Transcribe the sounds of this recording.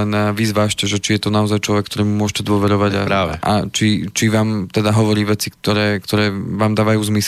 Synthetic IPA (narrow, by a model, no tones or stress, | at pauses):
ɛnaʋiːzʋaːʃcɛʒɛt͡ʃijɛt̪ɔnaɔzajt͡ʃlɔʋɛkːt̪ɔɾiːmumʊɔʃcɛd̪ʊɔʋɛɾɔʋaɟa̰ɾaːʋɛ̰a̰t͡ʃit͡ʃiʋaːmt̪ɛd̪aɦɔʋɔɾiːʋɛt͡sikt̪ɔɾɛːkt̪ɔɾɛːʋaːmd̪aːʋajuːzmis